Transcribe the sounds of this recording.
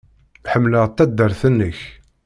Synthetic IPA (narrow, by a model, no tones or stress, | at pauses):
ħəmːləʁt̪ːæd̪ːəɾθənːəç